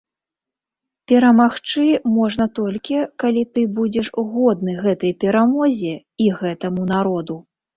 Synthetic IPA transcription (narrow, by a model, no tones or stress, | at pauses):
pʲɛɾɐmaxt͡ʂɨmɔʐn̪ɐt̪ɔlʲkʲikalʲit̪ɨbud͡zʲɛʂɣɔd̪nɨɣɛt̪ɐjpʲɛɾamɔzʲɛ | iɣɛt̪ɐmun̪aɾɔd̪u